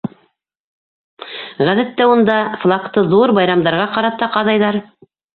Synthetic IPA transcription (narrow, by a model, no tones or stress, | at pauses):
ʁæðæt̪ːæund̪ɑflˠɑkt̪ɤðuɾbɑjɾɑmd̪ɑɾʁɑqɑɾɑt̪ːɑqɑðɑjðɑɾ